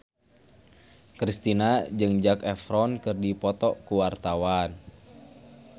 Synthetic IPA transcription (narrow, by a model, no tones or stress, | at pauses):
kɾist̪inad͡ʒɨŋd͡ʒakɛfɾɔnkɨrdipɔt̪ɔkuwart̪awan